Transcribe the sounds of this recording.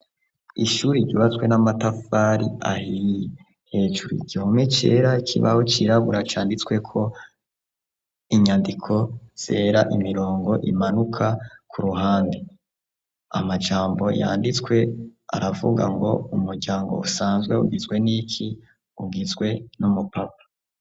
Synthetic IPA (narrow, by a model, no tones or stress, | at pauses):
iʃuːɾiɾɟuβat͡swe̞namatafaɾia̰hije | he̞ːʒuɾuiɟihomet͡ʃḛːɾaikʰḭβa̰hot͡ʃiɾaβuɾat͡ʃaːndit͡swe̞kʰo̞ | iɲandikʰo̞z̥e̞ːɾaʔimiɾo̞ːŋɡo̞ʔimanukʰakʰuɾuɦaːnde | a̰mad͡ʒaːmbo̞ja̰ːndit͡swe̞a̰ɾavṵɡa̰ŋɡo̞̰umuɾɟaːŋɡo̰usaːnzɡwe̞ṵɡizɡwe̞nikʰi | uɡizɡwe̞numupap̚ḁ